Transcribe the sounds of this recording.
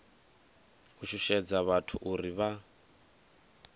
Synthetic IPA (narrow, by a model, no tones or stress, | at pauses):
kuʃuʃɛd͡zaβatʰuʔuɾiβa